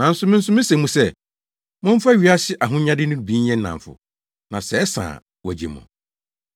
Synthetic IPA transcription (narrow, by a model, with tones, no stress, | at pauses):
nã˨n̩˦sʊ˦mɪ̃˦n̩˦sʊ˦mɪ̃˦se˨mũ˦sɛ˦˨ | mʊ̃˦ɱ̩˦fa˦˨ɥi˨˦a˦sɪ˦ʔa˨ɦʊ̃˦ɲã˦dɪ˦nʊ̃˦˨bi˦ɛ̃˦n̩˦nã̰˨ɱ˨fʊ̰˨ | nã˨sɛ˨˦sã̰ː˨ | wɔ˨d͡ʑḛ˨mʊ̰̃˨